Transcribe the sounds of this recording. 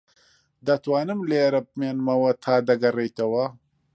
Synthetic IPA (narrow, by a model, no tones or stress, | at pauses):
d̪ɐt̪waːnɨmleːɾɐp̚menmɐwɐt̪ʰaːd̪ɐɡɐrejt̪ɐwɐ